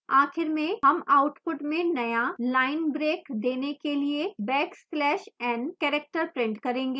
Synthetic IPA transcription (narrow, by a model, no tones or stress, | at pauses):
aːxɪɾmẽɦɐmaʊʈpʊʈmẽnɐjalaːɪnbɾeːkd̪eːnekeliebɛːksplɛːʃɛ̃ːnɖkɛːɾɛk̚ʈəɾpɾɪ̃ɳʈkɐɾẽːŋɡeː